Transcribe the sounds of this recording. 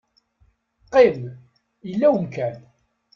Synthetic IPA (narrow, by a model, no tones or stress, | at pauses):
qːem | əlːæwəmkæn